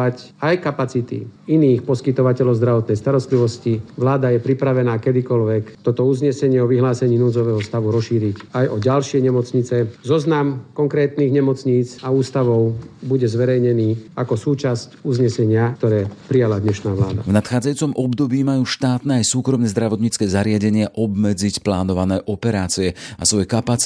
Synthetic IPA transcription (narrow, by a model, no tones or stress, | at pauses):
ac | ajkapat͡sit̪ḭiniːxpɔskit̪ɔʋacɛlɔʊzd̪ɾaʋɔt̪nɛjst̪aɾɔst̪liʋɔsciʋlaːd̪ajɛpɾipɾaʋɛnaːkɛd̪ikɔlʋɛkt̪ɔt̪ɔuzɲɛsɛɲɪɛɔʋiɦlaːsɛɲiːnuːd͡zɔʋɛːɦɔst̪aʋuɾɔʃiːɾicajʔɔɟalʃɪɛɲɛmɔt͡sɲit͡sɛzɔznamkɔŋkɾɛːt̪niːɣɲɛmɔt͡sɲiːt͡sauːst̪aʋɔʊbuɟɛzʋɛɾɛjɲɛniːakɔsuːt͡ʃascuzɲɛsɛɲɪak̚t̪ɔɾɛːpɾijalad̪ɲɛʃnaːʋlaːd̪a̰vnat̪xaːd͡zajuːt͡sɔmɔbd̪ɔbiːmajuːʃt̪aːt̪nɛːajsuːkɾɔmnɛzd̪ɾaʋɔt̪ɲit͡skɛːzaɾɪaɟɛɲɪaʔɔbmɛd͡zicplaːnɔʋanɛːʔɔpɛɾaːt͡siɛasʋɔjɛkapat͡s